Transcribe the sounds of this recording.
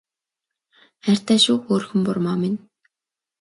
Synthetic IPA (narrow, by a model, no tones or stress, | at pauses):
ær̥ʲt̪æːʃʊːxoːɾxɵ̆mpʊrmɔːmɪn